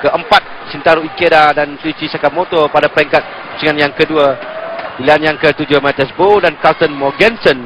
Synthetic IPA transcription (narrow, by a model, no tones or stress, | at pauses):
kəəmpat̪̚ | sint̪aɾuikedadanslisisakap̚mot̪ɔpadapəɾɛŋkat̪̚ | usiŋanjaŋkədua | ilianjaŋkət̪ud͡ʒʊhmɛt̪ɛsbodankat̪ənmɔɡɛnsɔn